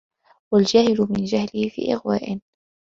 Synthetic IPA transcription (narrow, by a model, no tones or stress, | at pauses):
wald͡ʒaːhɪlʊmɪnd͡ʒahlɪhfḭːʔɪ̰ɣwa̰ːʔɪn